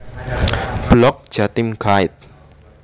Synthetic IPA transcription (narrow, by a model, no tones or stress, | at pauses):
b̥lɔk̚d̥ʒ̥at̪ɪmɡaɪt̪̚